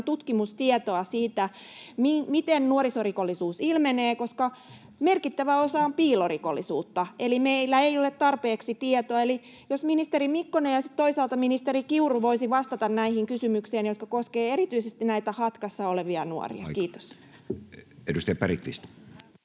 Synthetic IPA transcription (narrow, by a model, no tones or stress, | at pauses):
t̪ut̪kimust̪iɛt̪oɑsiːt̪æmimit̪ennuoɾisorikolːisuːsilmeneːkoskɑ | merkit̪ːæʋæosɑompiːloriko̰lːisuːt̪ːɑʔelimeilːæeiolet̪t̪ɑrpeːksit̪iet̪oɑeli | josminist̪erimikːonejjɑsit̪t̪oisɑːlt̪ɑminist̪erikiurʋoisiʋɑst̪ɑt̪ɑnnæihiŋkysymykseːnjot̪̚kɑkoskeːeɾit̪yisest̪inæit̪æhɑt̪kɑsːɑoleʋiɑnuo̰rḭɑ̰kiːt̪o̥s | edust̪ejɑpæɾḭt̪ʋḭst̪